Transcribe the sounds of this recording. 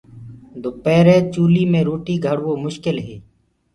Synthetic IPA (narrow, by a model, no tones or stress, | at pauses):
d̪ʱopɛːɾẽːt͡ʃuːliːmẽːɾoːʈiːɡʱəɽʋoːmʊʃkɪlɦeː